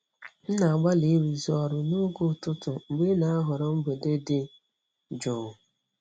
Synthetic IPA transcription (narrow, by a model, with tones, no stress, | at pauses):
n̩˦na˨a˨ɡ͡ba˦li˨˦ɾi˨zɔ˨ɾʊ˨no˦ɡʊ˦˨tʊ˦tʊ˨ŋ͡m̩˨ɡ͡be˦na˦a˦ɦʊ˨ɾɔ˦m̩˦ɡ͡be˨de˦dɪ˦ | d͡ʒɔ˨